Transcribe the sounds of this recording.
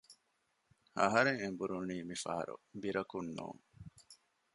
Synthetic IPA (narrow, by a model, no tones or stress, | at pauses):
ɐɦɐɾeŋembuɾuniːmifɐ̰ɦɐ̰ɾṵbiɾɐkunːṵːŋ